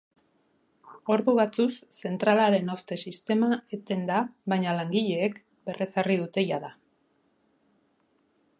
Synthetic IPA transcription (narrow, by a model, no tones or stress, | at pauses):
o̞ɾðuβat͡susːe̞nt̪ɾalaɾe̞no̞st̪e̞sist̪e̞maet̪e̞nd̪aβaɲalaŋɡiʎe̞ːk | be̞rʔe̞sariðut̪e̞ʝaða